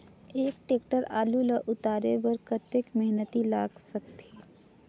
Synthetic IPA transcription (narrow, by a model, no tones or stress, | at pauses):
eːk̚ʈeːk̚ʈəɾa̰ːluləʔʊt̪aːɾebɐɾkət̪ːekmɛɦnət̪ilaːɡsɐk̚t̪ʰeː